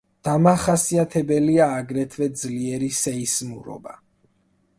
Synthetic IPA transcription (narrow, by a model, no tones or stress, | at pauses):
d̪̥amaχasiat̪ʰɛbɛliaːɡɾɛt̪ʰvɛd̪zliɛɾisɛismuɾɔ̰ba